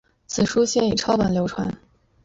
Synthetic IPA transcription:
t͡sʰɹ̩˨˩ʂu˥ɕjɛ˥˩ni˨˩ʈ͡ʂʰɑ˥ʊpa˨˩nljo˧˥ʊʈ͡ʂʰwa̰˧˥n

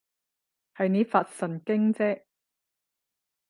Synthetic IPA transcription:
hɐ˨jneː˨˧faː˧t̚sɐ˨˩nkɪ˥ŋt͡sɛː˥

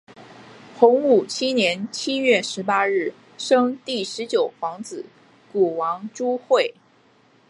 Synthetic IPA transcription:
xʊ˧˥ŋu˨˩t͡ɕʰi˥njɛ˧˥nt͡ɕʰi˥ɥɛ˥˩ʂɻ̩˧˥pa˥ɻɻ̩˥˩ | ʂɤ˥ŋt̪i˥˩ʂɻ̩˧˥t͡ɕjo˨˩ʊfɑ˧˥ŋt͡sɹ̩˨˩˦ | ku˨˩wɑ˧˥ŋʈ͡ʂu˥xwe˥˩ɪ

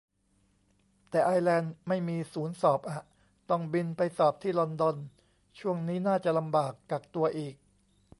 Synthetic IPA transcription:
t̪ɛː˨˩ʔaː˧jlɛː˧nma˥˩jmiː˧suː˩˦nsɔː˨˩p̚ʔa˨˩ | t̪ɔ˥˩ŋbi˧npa˧jsɔː˨˩p̚t̪ʰiː˥˩lɔ˧ndɔ˧n | t͡ɕʰu˥˩əŋniː˦˥naː˥˩t͡ɕa˨˩la˧mbaː˨˩kːaː˨˩k̚t̪u˧ɐʔiː˨˩k̚

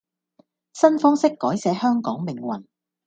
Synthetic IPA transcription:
sɐ˥nfɔː˥ŋsɪ˥kːɔː˨˥jsɛː˨˧˥hœː˥ŋkɔː˨˥ŋmɪ˨˩ŋwɐ̰˨˩n

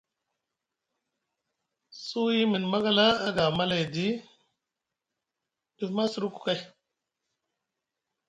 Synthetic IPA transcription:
su˦ji˦mi˨nma˦ɡa˦˨laː˦ɡa˨ma˦la˨jdi˦ | di˨fma˦sɾu˦ku̥˨ka˦j

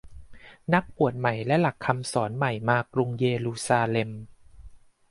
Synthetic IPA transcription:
na˦˥k̚pu˨˩ət̪̚ma˨˩jlɛ˦˥la˨˩kʰːa˧msɔː˩˦nma˨˩jmaː˧kɾu˧ŋjeː˧luː˧saː˧le˧m

